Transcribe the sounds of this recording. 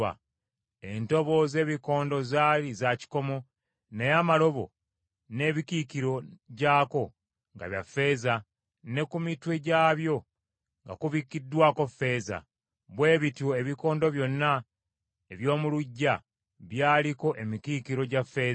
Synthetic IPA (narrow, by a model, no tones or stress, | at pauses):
a̰ | e̞nto̞βo̞ze̞ːβiko̞ːndo̞zaːlizaci̥ko̞mo̞ | nejaːmalo̞βo̞̰ | ne̞ːβikikiɾo̞ɟaːko̞ | ŋɡa̰βja̰fe̞ːza | ne̞kumitwe̞ɟaːβjo̞ | ŋɡa̰kuβikːidːwaːko̞fe̞ːza̰ | βwe̞ːβitoeβiko̞ːndo̞βjo̞nːa | eβjo̞ːmuluɟːa | βjaːliko̞ʔe̞mikikiɾo̞ɟafːe̞ː